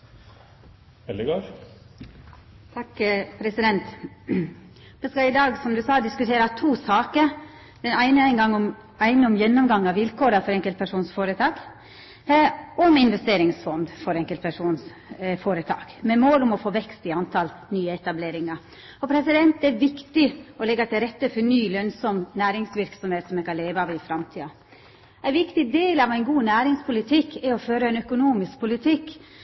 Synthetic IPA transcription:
ʋɛlɪɡɑː | t̪ʰɑkpʰɾɛsɪd̪ɛnt̪ | ʋ̪ɛskɑɪd̪ɑːɡsɔmd̪ʉsɑːd̪ɪskʉt̪ʰeːɾɑt̪ʰuːsɑːkəɾ | d̪ɛnæɪnəæɪnɡɑŋːɔm | æɪnəɔmjɛnːɔmɡɑŋːɑʋɪlkʰoːɾɑfɔɾɛŋkəlt̪̚pʰæʂuːnsfoːɾət̪ʰɑːɡ | ɔmɪnʋɛst̪eːɾɪŋsfɔnd̪fɔɾɛŋkəlt̪pʰæʂuːns | foːɾət̪ʰɑ̰ːɡ̥mɛmoːlɔmɔfoːʋɛkst̪ɪɑnt̪ʰɑlnyːəɛt̪ɑbleːɾɪŋɑ | ɔpʰɾɛsɪd̪ɛnt̪ɛɛʋɪkt̪ɪɔlɛɡːɑt̪ʰɪlɾɛt̪ːəfɔɾnyːlœnsɔmnæːɾɪŋsʋɪɾksɔmheːt̪sɔmɛkɑnleːʋəɑːʋɪfɾɑmt̪ʰiːɑ | æɪʋɪkt̪ɪd̪eːlɑʋæɪnɡuːnæːɾɪŋspʰʊlɪt̪ʰɪkʰːɛɔføːɾəæɪnœkʊnuːmɪsk̚pʰʊlɪt̪ʰɪkː

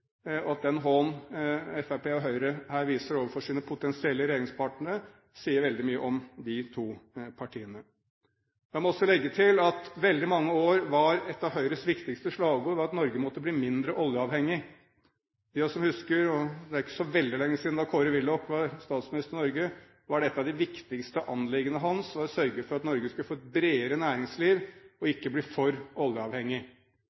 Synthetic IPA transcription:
ɔɑt̪̚d̪ɛnɦɔnɛfæpeːɔɦœʏɾəhæːɾʋiːsəɾoːʋəɾfɔʂiːnəpʰʊt̪ɛnsɪɛlːəɾɛjeːɾɪŋspʰɑʈɳəɾə | siːəɾʋɛld̪ɪmyːəʔɔmd̪ɪt̪ʰuːpʰɑʈʰiːənə | jɛmɔɔsɔlɛɡːət̪ʰɪlɑt̪ʋɛld̪ɪmɑŋːəoːɾʋɑɾɛt̪ːɑʋhœʏɾəsʋɪkt̪ɪkst̪əʂlɑːʋɡuʋɑɾɑt̪nɔɾɡəmɔt̪ːəbliːmɪnd̪ɾəʔɔljəɑːʋhɛŋːɪ | jɑsɔmhʉskəɾɔd̪ɛæɾɪkːəsɔʋɛld̪ɪlɛŋːəsiːd̪n̩d̪ɑkʰoːɾəʋɪlːɔkːʋɑɾst̪ɑːt̪smɪnɪst̪əɾnɔɾɡə | ʋɑɖɛt̪ːɑʋd̪ɪʋɪkt̪ɪkst̪əʔɑnlɪɡənəɦɑnsʋɑɾsœɾɡəfɔɾɑt̪nɔɾɡəskʉləfoːɛt̪̚bɾeːəɾənæːɾɪŋsliːʋɔɪkːəbliːfɔɾɔljəɑʋhɛŋːɪ

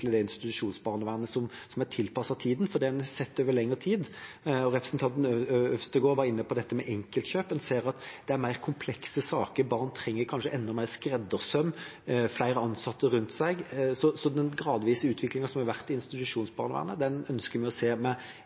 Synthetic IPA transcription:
ləd̪ɛɪnst̪ɪɪt̪ʉʂuːnsbɑːʁnəʋæːʁnəsɔmsɔmæʈ̪ʰɪlpɑsɑt̪ʰiːd̪n̩fɔd̪ɛɛnsɛt̪ːøːʋəlɛŋːəɾət̪ʰiːd̪ | ɔɾɛpɾəsnt̪ɑnt̪n̩œfst̪əɡoːɾʋɑɾɪnːəpɔd̪ɛt̪ːəmɛʔɛŋkəlt̪çøːpɛnseːɾɑt̪d̪ɛæɾmæɪʁkʰʊmpʰlɛksəsɑːkəɾbɑʁnt̪ʰɾɛŋːəɾkʰɑnʂəʔɛnːɔmæɪʁskɾɛd̪əʁsœmːflæɪɾəɑnsɑt̪ːəɾʉnt̪sæɪɡsɔsɔd̪ɛnɡɾɑːd̪ʋiːsəʉːt̪ʰʋɪklɪŋɑsɔmhɛʁʋæʁt̪ɪɪnst̪ɪt̪ʉʂuːnsbɑːʁnəʋæ̰ːʁnəd̪ɛnœnskəmɛɪɔseːmɛ

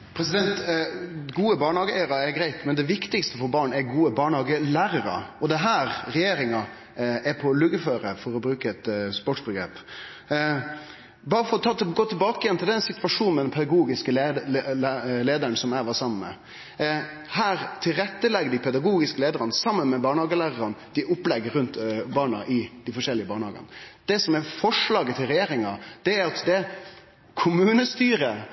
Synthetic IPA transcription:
pʰɾɛsɪd̪ɛnt̪ | ɡuːəbɑːɳhɑːɡəlæɪəɾɑɛɡɾæɪt̪mɛnd̪ɛʋɪkt̪ɪkst̪əfɔɾbɑːɳɛɾɡuːəbɑːɳhɑːɡəlæːɾəɾɑ̰ɔd̪ɛɦæːɾɾɛjeːɾɪŋɑ | ɛɾpʰɔlʉɡəføːɾəfɔɾɔbɾʉːkəɛt̪spɔʈʂbəɡɾḛːp | bɑːɾəfɔɾɔt̪ʰɑːt̪ɡoːt̪ʰɪlbɑːkəjɛnt̪ɪld̪ɛɪɛnsɪt̪ʋɑʂuːnmɛd̪ɛnpʰɛd̪ɑɡuːɡɪskəl | leːd̪əɳsɔmæːʋɑsɑmənmɛ̰ | hæːɾt̪ʰɪlɾɛt̪ːəlɛɡəd̪ɪpʰɛd̪ɑɡuːɡɪskəleːd̪əɾɑnəsɑmːənmɛbɑːɳhɑːɡəlæːɾəɾɑnəd̪̥ɪʔʊplɛɡːəɾʉnt̪bɑːɳɑ̰ʔɪd̪̥ɪfɔʂɛlːɪəbɑːɳəhɑ̰ːɡə̰nəd̪̥ɛsɔmɛfɔʂlɑːɡət̪ʰɪlɾɛjeːɾɪŋɑd̪̥ɛæɾɑt̪d̪ɛ | kʰʊmʉːnəst̪yːɾə

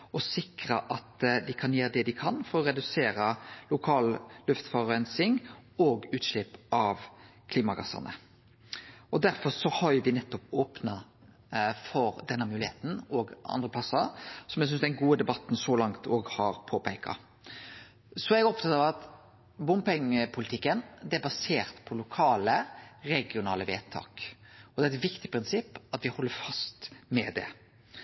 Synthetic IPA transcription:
ɔsɪkɾəʔɑt̪d̪ɪkʰɑnjeːɾəd̪ɛd̪ɪkʰɑnfɔɾɔɾɛd̪ʉseːɾəlʊkʰɑːllʉft̪fɑʁɛnsɪŋoːɡʉːt̪ʃlɪpːɑʋ | kʰliːmɑɡɑ̰sɑ̰nə̰ | ɔd̪æɾfɔɾsɔhɑɾjʊʋɪnɛt̪ːɔpoːpnɑ | fɔɾd̪ɛnːəmʉːlɪheːt̪n̩oːɡʔɑ̰nd̪ʁəpʰlɑsɑsɔmjɛɡs̬ʏnsd̪ɛnɡuːəd̪ɛbɑt̪n̩sɔlɑŋt̪oːɡhɑɾpʰoːpʰæɪkɑ̰ | sɔɛɡɔpt̪ʰɑt̪ɑʋɑt̪ | bʊmpɪŋpʰʊlɪt̪ʰɪkːənd̪ɛæɾbɑseːɾt̪pʰɔlʊkʰɑːləɾɛɡɪʊnɑːləʋeːt̪ʰɑ̰ːkɔd̪ɛːɾɛt̪ʋɪkt̪ɪpʰɾɪnsɪpːɑt̪ʋɪhɔlːəɾfɑst̪mɛd̪ɛ̰

